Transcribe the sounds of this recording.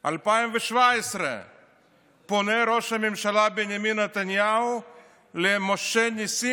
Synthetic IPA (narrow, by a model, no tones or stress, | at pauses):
a̰lpajemveʃvaesɾɛ̰ | ponɛɾoʃamimʃalabenjaminat̪anjau | lemoʃɛnisi